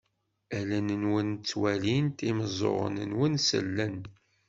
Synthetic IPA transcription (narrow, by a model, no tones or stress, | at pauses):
ælænənwənt͡sːwælint̪iməzˤo̰ʁə̰nənwənsə̰lːən